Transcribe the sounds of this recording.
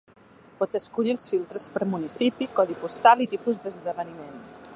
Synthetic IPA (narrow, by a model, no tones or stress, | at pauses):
pɔt̪əskuʎilˠsfilˠt̪ɾəspəɾmunisipikɔðipust̪alit̪ipuzd̪əzðəβənimen